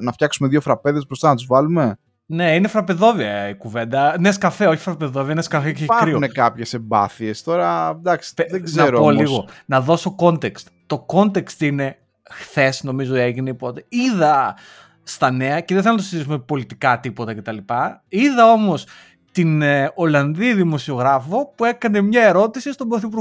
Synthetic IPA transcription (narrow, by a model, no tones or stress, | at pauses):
nɐfçɐksume̞ðʝofɾɐpe̞ðespɾost̪ɐnɐt̪uzvɐlume̞ | ne̞inefɾɐpe̞ðo̞viɐikuve̞nd̪ɐneskɐfeo̞çi̥fɾɐpeðo̞viɐneskɐfeceɐɾionekɐpçe̞sembɐ̰θiest̪o̞ɾɐd̪ɐksðeznɐɾooliɣo̞nɐðo̞soko̞nt̪ekst̪t̪o̞ko̞nt̪e̞kst̪ine̞ | xθe̞sno̞mizoeʝineipot̪eiðɐ | st̪ɐne̞ɐceðeθelnɐt̪osit̪isumepo̞lit̪ikɐt̪ipo̞t̪ɐce̞t̪ɐlipɐiðɐo̞mo̞s | t̪ino̞lɐnðiðimo̞sio̞ɣɾɐfo̞pue̞kɐne̞mɲɐe̞ɾo̞t̪isist̪o̞bɾoθipuɾɣ